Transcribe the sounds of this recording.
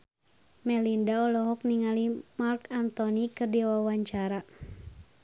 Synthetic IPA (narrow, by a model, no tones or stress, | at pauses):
mɛlindaɔlɔɦɔk̚niŋalimarkant̪ɔnikɨrdiwawaɲt͡ʃaɾa